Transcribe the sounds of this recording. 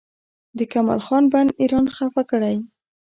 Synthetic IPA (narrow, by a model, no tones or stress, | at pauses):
d̪əkamɑ̰lxɑnbaniɾɑnxafakəɽaj